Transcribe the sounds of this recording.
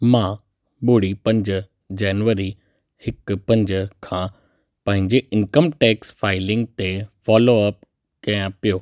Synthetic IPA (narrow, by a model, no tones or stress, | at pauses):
mãː | ɓʊːɽipɐ̃ɲd͡ʑə̆ | d͡ʑɛːnʋəɾi | hɪkpɐ̃ɲd͡ʑəkʰãː | pɐ̃ɦɪ̃ɲd͡ʑeʔɪnkəmʈɛːksfaːɪlɪ̃ŋɡ̚t̪efɔːloɐp | kɐjãpijoː